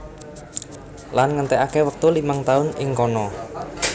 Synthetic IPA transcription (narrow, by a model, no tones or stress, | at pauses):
lanŋənt̪ɛakewək̚t̪ulimaŋt̪aʊnɪŋkɔnɔ